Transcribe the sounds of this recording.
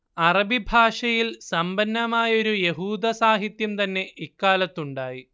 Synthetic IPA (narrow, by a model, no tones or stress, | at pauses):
ɐrɐbʱibʱaːʂɐjilsɐmbɐnːɐmaːjɐo̞ɾuje̞ɦuːd̪ɐsaːɦit̪jɐmt̪ɐnːe̞ikːaːlɐt̪ːuɳɖaːji